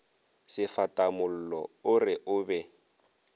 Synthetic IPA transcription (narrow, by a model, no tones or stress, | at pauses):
sɪfatʼamʊl̩lɔ̰ʊrɪʔʊbɛ